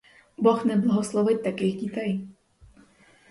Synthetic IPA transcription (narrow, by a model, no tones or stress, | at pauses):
bɔxnɛblˠɐɦɔslˠɔʋɪt̚ʲt̪akɪɣdʲit̪ɛj